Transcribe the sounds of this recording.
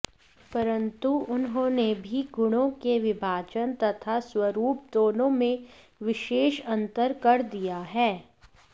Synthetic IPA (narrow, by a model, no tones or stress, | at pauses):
pɐɾə̃nt̪uʊnɦõːnebʱiɡʊɽ̃õkeʋɪbʱaːd͡ʒənt̪ɐt̪ʰaswɐɾuːp̚d̪oːnõmẽ | ʋɪʃeːʃɐ̃nt̪əɾkɐɾd̪ijaɦɛː